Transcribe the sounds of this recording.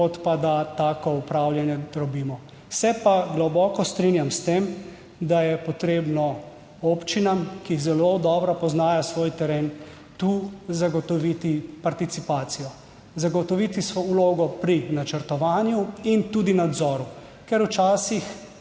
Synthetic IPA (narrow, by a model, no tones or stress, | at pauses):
kɔt̪pad̪at̪aːkɔupɾaːwljanjɛɾɔbiːmɔ | sɛpaɡlɔbɔːkɔst̪ɾinjamst̪eːm | d̪ajɛpɔt̪ɾeːbnɔ | oːpt͡ʃinamkiːzɛlod̪ɔːbɾapɔznaːjasʋoːjt̪ɛɾeːn | t̪uzaɡɔt̪ɔʋit̪ipaɾt̪it̪sipaːt̪sijɔ | zaɡɔt̪ɔʋit̪isʋouloːɡɔpɾinat͡ʃəɾt̪ɔʋaːnjuint̪uːd̪inad̪zɔːɾu | kɛɾwt͡ʃaːsix